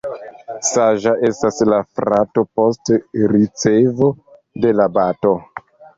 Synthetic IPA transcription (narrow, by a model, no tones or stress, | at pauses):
saʒaʔe̞staslafɾʔato̞po̞stɾit͡se̞vo̞ | de̞labato̞